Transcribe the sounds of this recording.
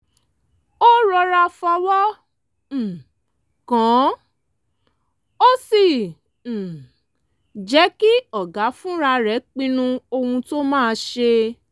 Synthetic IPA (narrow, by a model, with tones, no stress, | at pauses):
o˦ɾɔ˧ɾa˧fɔ˧wɔ˦˨ | kɔ̃˨˦ | o˦sĩ˨ | d͡ʒɛ˨˦ki˦ɔ˨ɡa˨˦fũ˦ɾa˧ɾɛ˨˦k͡pĩ˧nũ˧o˧hũ˧to˦mãː˦˧ʃe˧